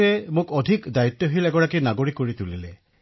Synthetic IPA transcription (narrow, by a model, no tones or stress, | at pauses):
ɛmʊkɔdʱikdait̪ːɔɦilɛɡɔɹakinaɡoɹikːoɹitulilɛ